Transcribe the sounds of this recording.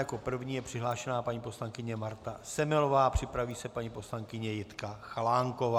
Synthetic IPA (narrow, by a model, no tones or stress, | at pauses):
jako̞pr̩vɲiːjɛpr̝̥ɪɦlaːʃɛnaːpaɲiːpo̞slaŋkɪɲɛmaɾt̪asɛmɪlo̞vaːpr̝̥ɪpɾaviːsɛpaɲiːpo̞slaŋkɪɲɛjɪt̪kaxalaːŋko̞vaː